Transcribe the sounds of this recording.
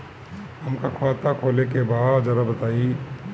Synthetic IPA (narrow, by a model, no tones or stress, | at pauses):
ɦɐmkakʰoaːt̪akʰoːlekebaːd̪d͡ʒɐɾabɐt̪aːi